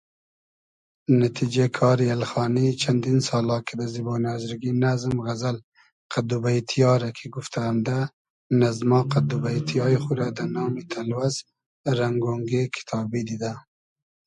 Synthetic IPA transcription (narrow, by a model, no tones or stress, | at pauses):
nat̪ʰid͡ʒekʰɑːɾialxɑːnit͡ʃʰand̪insɑːlɑːkʰid̪azibɑːnɑːzɾɡinazmɣazal | qʰad̪ubait̪ʰijɑːɾakʰiɡuft̪ʰaːmd̪a | nazmɑːqad̪ubait̪ʰijɑːjixuɾad̪anɑːmit̪ʰalwaz | ɾaŋɡoŋɡekʰɪ̥t̪ʰɑːbid̪id̪a